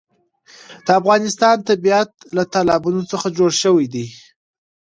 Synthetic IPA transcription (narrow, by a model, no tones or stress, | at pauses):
d̪̥əafɣɑnɪst̪ɑnt̪abijat̪lat̪alɑbunot͡səxad͡ʒoɽʃəwijd̪i